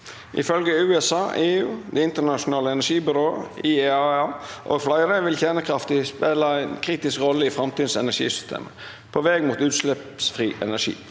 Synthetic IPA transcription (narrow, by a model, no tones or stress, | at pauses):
ʔɪ̰fœlɡəʉːɛsɑːʔeːʉːd̪ɛɪnt̪əɳɑʂʊnɑːləɛnæʂiːbʏɾoːəieɑɑʔɔ̰ɡflɑɪɾeʋɪlçæːnəkʰɾɑft̪ɪspeːləæɪnkʰɾiːt̪ɪskɾɔlːəɪfɾɑmt̪iːd̪sɛnæʂḭːsʏ̥st̪ʰḛːmə | pʰoːʋɛːɡmuːt̪ʉːt̪slɛpsfɾiːʔɛ̰næʂḭː